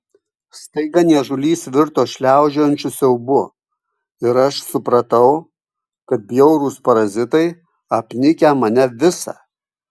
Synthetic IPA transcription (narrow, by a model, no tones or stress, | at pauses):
st̪ɐɪɡɐnʲiɛʒʊlʲiːsʋʲɪɾt̪oːʃʲlʲæˑʊd͡ʒʲoːjnʲt͡ʃʲʊsʲjɛʊbʊ | ɪɾɐʃsʊpɾɐt̪ɐʊ | kɐt̪̚bʲjɛʊɾuːspɐɾɐzʲɪt̪ɐɪ | ɐpʲnʲɪkʲæmɐnʲɛʋʲɪsɑ̰ː